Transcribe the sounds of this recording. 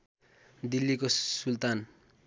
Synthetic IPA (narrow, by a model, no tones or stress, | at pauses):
d̪ilːikosult̪an